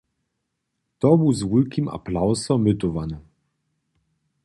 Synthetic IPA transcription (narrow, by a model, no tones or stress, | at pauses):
t̪ɔbuwzwulkʲima̰plawsɔmyt̪ɔvanɛ